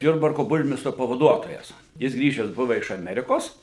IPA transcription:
ˈjʊrbɐrkoː ˈbʊrʲmʲɪstroː pɐʋɐˈduɔtoːjɛs ˈjɪs ˈɡrʲiːʒʲɛs ˈbʊʋɐ ɪʃ ɐˈmʲæːrʲɪkoːs

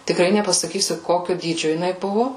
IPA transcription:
tʲɪkˈrɐɪ nʲɛpɐsɐˈkʲiːsʲʊ ˈkoːkʲʊ ˈdʲiːd͡ʒʲʊ jɪˈnɐɪ ˈbʊʋʊ

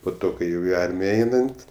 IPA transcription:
poː ˈtoː kɐɪ ˈjɛʊ ɪ ˈɐrʲmʲɪjɛ ˈɛɪnɐnt

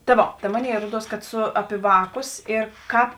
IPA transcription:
tɐ ˈʋoː tɐ ˈmoːˌnʲeːɪ ˈruɔˈduɔs kɐt ˈsʊ ˈɑːpʲɪ ˈʋɑːˌkʊs ɪr ˈkɑːp

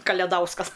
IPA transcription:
kɐlʲɛˈdɐʊskɐs

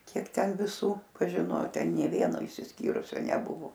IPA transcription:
ˈkʲiɛk ˈtʲɛn ʋʲɪˈsuː pɐʒʲɪˈnoː ˈtʲɛn nʲeː ˈʋʲiɛnoː ɪʃʲsʲɪsʲˈkʲiːrʊsʲoː nʲɛˈbʊʋoː

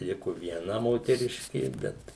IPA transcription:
ˈlʲɪkoː ʋʲiɛˈnɐ moːtʲɛˈrʲɪʃʲkʲeː ˈbʲɛt

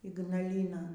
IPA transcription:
iːɡnɐˈlʲiːnoːn

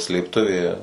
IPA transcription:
sʲlʲeːpˈtʊʋʲeː

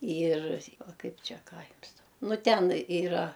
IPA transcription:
iːr ˈʋɐ ˈkɐɪp ˈt͡ʃʲɛ ˈkɑː ˈjʊms dɐʊ ˈnʊ ˈtʲɛn iːˈrɐ

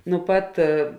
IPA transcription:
nʊ ˈpɐt

